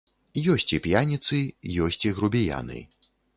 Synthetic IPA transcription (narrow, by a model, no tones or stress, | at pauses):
jɔsʲt͡sʲipʲjanʲit̪sɨjɔsʲt͡sʲiɣɾubʲija̰nɨ̰